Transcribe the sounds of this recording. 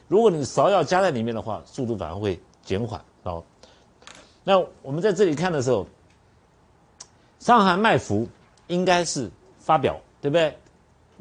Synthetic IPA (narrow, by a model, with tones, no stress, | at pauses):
ɻu˧˥kwɔ˧˥ni˨˩sɑ˧˥ʊjɑ˥˩ʊt͡ɕja˥t͡sa˥˩ɪli˨˩mjɛ˥˩nd̪ə˩˧xwa̰˥˧˩su˥˧t̪u˥˩fa̰˨˩nə̰˧˥xwe˥˩ɪ | t͡ɕjɛ˧˥nxwa̰˨˩˦n˧˩˦ | na˥˩wɔ˨˩mə˦nt͡sa˥˧ɪʈ͡ʂɤ˥˩˨li˨˩kʰa˥˩nd̪ə˩ʂɻ̩˧˥xo˥˩ʊ | ʂɑ˥˧ŋxa˥˧nma˥˩ɪfu˧˥ | i˥ŋka˥ɪʂɻ̩˥˩ | fa˥p̬jɑ̰˨˩˦ʊt̪we˥˩ɪb̪e˥˩ɪ